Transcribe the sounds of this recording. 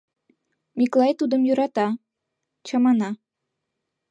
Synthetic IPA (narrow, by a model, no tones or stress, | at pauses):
miklˠɑjt̪ud̪əmjuɾɑt̪ɑ | t͡ɕɑmɑnɑ